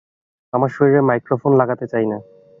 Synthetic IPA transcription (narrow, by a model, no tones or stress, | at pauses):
amaɾʃoɾiɾemajkɾofonlaɡat̪et͡ɕajna